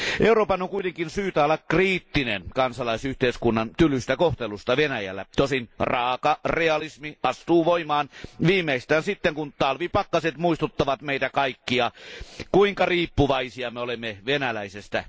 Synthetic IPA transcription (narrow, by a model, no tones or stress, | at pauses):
ʔeuɾoːpɑnːoŋkuit̪eŋkinsyːt̪æolːɑkkriːt̪ːinḛnkɑnsɑlɑisyht̪eiskunːɑnt̪ylyst̪ækoht̪elust̪ɑʋenæjæ̰lːæ̰t̪osinrɑːkɑreɑlismiʔɑst̪uːʋoimɑːnʋiːmeist̪æːnsit̪ːeŋkunt̪ɑlʋipɑkːɑset̪muist̪ut̪ːɑʋɑt̪meˑit̪ækɑikːiɑkuiŋkɑriːpːuʋɑisiɑmeolemːeʋenælæisest̪æ̰